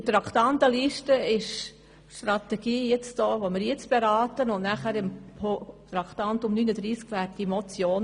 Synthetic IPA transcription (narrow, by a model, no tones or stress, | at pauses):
t̪ɾɑkʰt̪ɑnt̪əliʃtəɪʃ | ʃtɾɑt̪ɛɡ̥iːjɪt͡sd̥oːʋomɪɾjɪt͡sb̥eɾɑːt̪ənʊnnæχæɾɪmpʰot̪ɾɑkt̪ɑnt̪ʊmnyːnəd̪ɾiːskʋæɾtimɔt͡sjoːn